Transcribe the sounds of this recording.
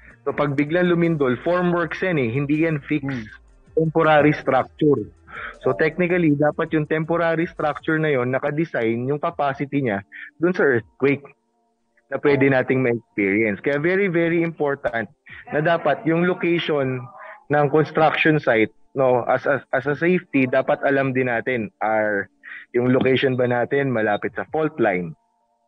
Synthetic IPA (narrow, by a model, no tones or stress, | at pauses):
so̞pɐɡ̚bɪɡlɐŋlʊmɪnd̪o̞lfoɹmwɛɹksjanɛɦɪnd̪ijɐnfiks | t̪ɛmpoɾaːɾist̪ɾak̚t͡ʃʊɹso̞t̪ɛk̚nɪkɐlid̪aːpɐt̪̚jʊŋt̪ɛmpoɾaːɾist̪ɾak̚t͡ʃʊɹnɐjo̞nːɐkɐd̪ɪsajnjʊŋkɐpaːsɪt̪iɲad̪ʊnsɐʔɛɹt̪̚kwejk̚ | nɐpwɛːd̪ɛnaːt̪ɪŋmɐɛk̚spiːɹjɐnskɐjavɛɹivɛɹiɪmpo̞ɹt̪ɐnt̪̚nɐd̪aːpɐt̪̚jʊŋlokɛjʃo̞nːɐŋkonst̪ɾak̚ʃonsajt̪̚no̞ʔɐ̰sɐʔɐsɐsejft̪id̪aːpɐt̪ʔɐlɐmd̪ɪnːaːt̪ɪnʔɐɹjʊŋlokɛjʃonbɐnaːt̪ɪnmɐlaːpɪt̪̚sɐfolt̪lajn